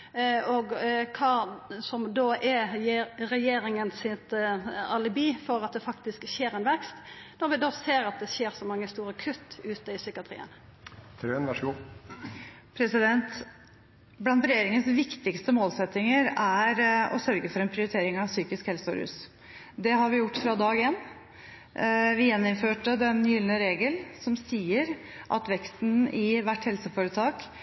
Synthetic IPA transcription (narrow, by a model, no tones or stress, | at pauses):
ɔɡkʰɑːsɔmd̪oːʔɛ | ɾɛjeːɾɪŋənsɪt̪ɑlɪbiːfɔɾɑt̪̚d̪ɛfɑkt̪ɪskçeːɾɛnʋɛkst̪ | nɔɾʋɪd̪oːseːɾɑt̪̚d̪ɛçeːɾsɔmɑŋːəst̪uːɾəkʰʉt̪ːʉːt̪əɪsʏkəɑt̪ʰɾḭːə̰n | t̪ʰɾønʋɑʂɡuː | pʰɾɛsɪd̪ɛnt̪ | blɑnt̪ɾɛjeːɾɪŋənsʋɪkt̪ɪkst̪əmoːlsɛt̪ːɪŋəɾæɾɔ̰sœɾɡəfɔɾɛnpʰɾɪʊɾɪt̪ʰeːɾɪŋɑʋsyːkɪskhɛlsəɔ̰ɾhʉ̰ːs | d̪ɛɦɑɾʋɪjʊʈːfɾɑd̪ɑːɡɪjɛnː | ʋɪjɛnːɪmføːʈəd̪ɛnjʏlnəɾeːɡəlsɔmsiːəɾ | ʔɑ̰t̪ʋɛkst̪nɪʋæʈːhɛlsəfoːɾət̪ʰɑːk